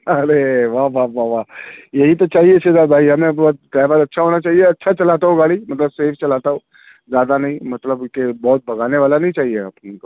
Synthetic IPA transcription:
ɐɾeʋaɦʋaːʋaʋaːjɐɦit̪ot͡ʃaːɦiet͡ʃʰed̪aːɾbʱaːiɦɐmẽbt̪̚t̪ɛːʋaːɾɐtːʃʰaɦoːnat͡ʃaːɦieɐtːʃʰat͡ʃɐlaːt̪aɦoɡaːlimɐt̪ləbseːfʰt͡ʃɐlaːt̪aɦo | zjaːd̪anɐɦĩmɐt̪ləbkebɔːt̪̚bʱɐɡaːneʋaːlanɐɦĩt͡ʃaːɦiḛpneko

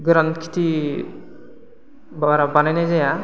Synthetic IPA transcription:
ɡɾant̪kʰi̥t̪i | baɾabanajnajzaja

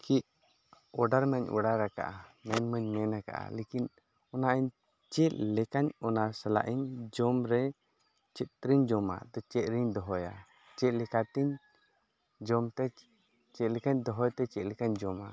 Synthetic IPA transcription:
kʰiʔ̚ | ɔɖaɾməɲɔ̰ɖaɾaka̰ʔamɛnməɲmɛnaka̰ʔa̰lekin | ɔnaʔiɲ | t͡ʃɛʔ̪̚lɛkaɲɔnasɛla̰ʔiɲd͡ʒɔmɾɛ | t͡ʃɛt̪̚ɾiɲd͡ʒɔma̰d̪ɔt͡ʃɛt̪̚ɾiɲd̪ɔɦɔja̰ | t͡ʃɛt̪̚lɛkat̪iɲ | d͡ʒɔmt̪ɛ | t͡ʃɛt̪̚lɛkaɲd̪ɔɦɔjt̪ɛt͡ʃɛt̪̚lɛkaɲd͡ʒɔma̰

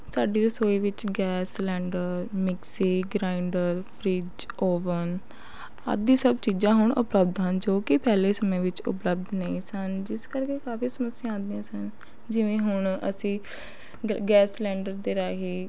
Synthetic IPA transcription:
saːɖiːɾəsoːiːʋɪt͡ʃɡɛːslɛ̃ːɳɖəɾmɪksiːɡɾaːɪɳɖəɾpʰɾiːd͡ʒ | oːʋən | ə̰d̪ĩːsəbt͡ʃiːd͡ʒãːɦʊɳʔʊ̰pləbd̪ɦənd͡ʒoːkɪpɛːleːsəmẽːʋɪt͡ʃʊ̰pləbd̪neĩːsənd͡ʒɪskəɾkeːkaːfiːsəməsːɪjãːãːnd̪ɪãːsən | d͡ʒɪʋẽːɦʊɳ̃ə̰sĩː | ɡɛːslɛ̃ːɳɖəɾd̪eːɾaːɦiː

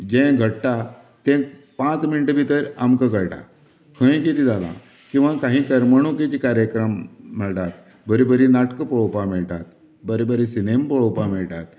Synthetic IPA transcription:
d͡ʑɛ̃ɡʱəʈʈ̪a | t̪ẽ | pãt͡sminiʈəbʱit̪əɾamkəɡəɭʈa̰ | kʰə̃j̃kit̪id͡zalã̰ | kĩw̃ʋakãɦĩkəɾməɽ̃ũkit͡ɕikaɾjəkɾəmːəɭʈ̪at̪̚ | bəɾibəɾinaʈkəpɔɭopamiɭʈ̪at̪̚ | bəɾebəɾisinempəɭowpamiɭʈ̪a̰t̪̚

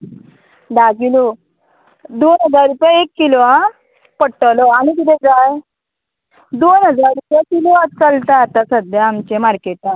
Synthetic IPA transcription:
ɖ̪aɡilu | d̪onɦəd͡zaɾɾupjaekːilʋã | pəʈəloaɽ̃it̪̬it̪ʰẽd͡zaj | d̪onɦəd͡zaɾɾupjakiloat͡səlt̪at̪asəd̪ʱjaːmt͡ɕemaɾkeʈã

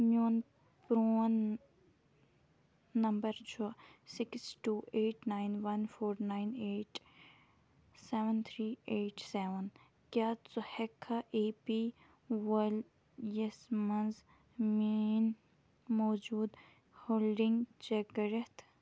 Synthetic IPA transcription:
muːn | pɾoːn | ɐmbəɾt͡ʃʰosɪksʈuːʔeːʈnaːjnʋɐnfʰoːɾnaːjneːʈ | seːʋənt̪ʰɾiːeːʈseʋən | kʲaːt͡suhekʰːaʔeːpiː | wɐl | jesmɐnz | min | moːd͡ʒuːd̪ | hoːlɖiŋɡt͡ʃeɡɾet̪ʰ

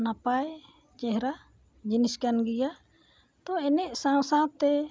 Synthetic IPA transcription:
napaj | t͡ʃɛɦɾa | d͡ʒiniskanɡija | t̪ɔɛnɛʔsãwsãt̪ɛ

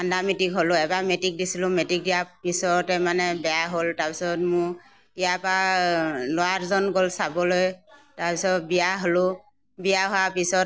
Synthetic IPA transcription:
andamitikɦolʊɛbamɛtik̚disilʊ̃mɛtik̚dijapisɔtɛmanɛbɛjaɦoltaɹpisɔtmʊ | ijapa | lʊaɹzɔnɡolsabɔlojtaɹpisɔtbijaɦolʊ | bijaɦoapisɔt

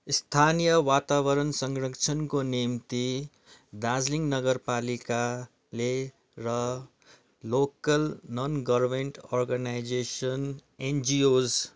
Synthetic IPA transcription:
st̪ʰanijəʋat̪awəɾənsʌ̃ŋɡɾəkt͡ʃʰənkonimt̪i | d̪azliŋnʌɡəɾpalika | le | ɾʌ | lokəlnɔnɡʌɾmeɳʈɔɾɡanajd͡ʒeʃənend͡ʒioːz

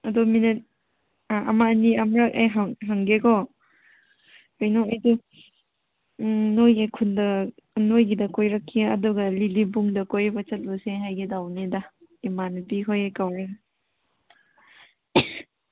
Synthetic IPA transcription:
ɐduminit̚ | aʔɐmaːniɐmɾakajɦaŋɦaŋɡeɡɔ | ojnɔajdu | nojakʰundɐ | nojɡidɐkojɾɐkʰːiɐ̰duɡɐlilibuŋdɐkojbɐt͡ʃɐt̚loseɦajɡidawnedɐ | imantikʰojajkawɾa

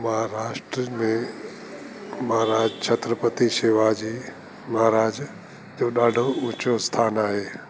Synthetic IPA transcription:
məɦaɾaːʃʈɾəmẽ | məɦaːɾaːd͡ʒt͡ʃʰət̪ɾəpət̪iseːʋad͡ʑiː | məɦaːɾaːd͡ʒ | d͡ʒoːɗaːɖʱoʊ̃t͡ʃost̪ʰaːnaːɦeː

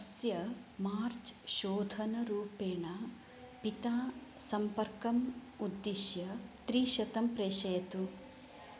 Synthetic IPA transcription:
ɐsjɐmaːɾt͡ʃʃoːd̪ʱɐnɐɾuːpeːɳɐ | pit̪aːsɐmpɐɾkɐm | ud̪ːiʃjɐt̪ɾiːʃɐt̪ɐmpɾeːʃɐjɐt̪u

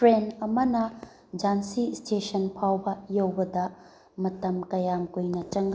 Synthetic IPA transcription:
pʰɾenɐmɐnɐ | d͡ʒansistesɐnpʰawbɐjowbɐd̪ɐ | mɐtɐmkɐjamkujnɐt͡ʃɐŋɡ

